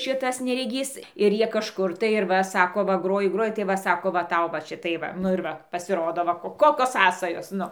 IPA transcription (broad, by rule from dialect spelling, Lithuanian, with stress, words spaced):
ˈʃʲɪtɐs nʲɛrʲɛˈɡʲiːs ɪr ˈjiɛ kɐʃˈkʊr tɐɪ ɪr ˈʋɐ ˈsɑːkoː ʋɐ ˈɡroːjɪ ˈɡroːjɪ tɐɪ ˈʋɐ ˈsɑːkoː ʋɐ ˈtɐʊ ʋɐ ˈʃʲɪtɐɪ ˈʋɐ nʊ ɪr ˈʋɐ pɐsʲɪˈroːdoː ˈʋɐ ˈkoːkʲoːs ˈsɑːsɐjoːs ˈnʊ